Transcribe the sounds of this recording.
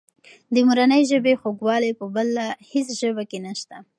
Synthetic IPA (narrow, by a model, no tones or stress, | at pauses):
d̪əmuɾanəjʒəbexoɡwɑlepəbalːahesʒəbakenaʃt̪a